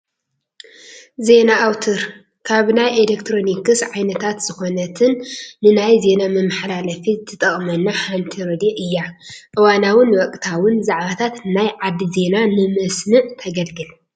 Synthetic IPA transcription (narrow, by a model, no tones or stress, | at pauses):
ze̞naʔːwt̪ʰɨɾ | kʰaβnajʔelekt̪ʰɾo̞nikɨsʕajnɐt̪ʰat̪z̥ɨxo̞nɐt̪ʰɨnːɨnajze̞namɨmːaħlalɐfit̪ʰɨt̪ʼɐχʼmɐnːaħant̪ʰiɾod̪iʔɨjːaʔɨwanawɨnwɐkʼt̪ʰawʊnzaʕβat̪ʰat̪najʕad̪ːize̞nanɨmɨsnɨʔt̪ʰɐɡɐlɡɨl